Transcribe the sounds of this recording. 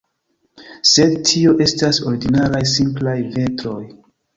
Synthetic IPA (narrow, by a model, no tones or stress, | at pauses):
se̞dtʰio̞ʔe̞staso̞ɾiɡinalajsimplajve̞tɾo̞j